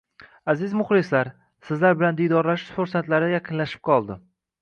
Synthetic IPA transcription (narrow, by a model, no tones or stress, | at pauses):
azɪzmʊχlɪslaɾ | sɪzlaɾbɪland̪ijd̪ɒɾlaʃu̥ʃfʊɾsat̪laɾajaqʰɨnlaʃɪ̥p̚qʰɒlˠd̪ɪ